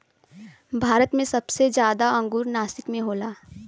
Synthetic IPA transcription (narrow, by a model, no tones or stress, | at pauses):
bʱaːɾət̪mẽsɐbsed͡ʒjaːd̪aɐ̃ŋɡuːɾnaːsɪkmẽɦoːlaː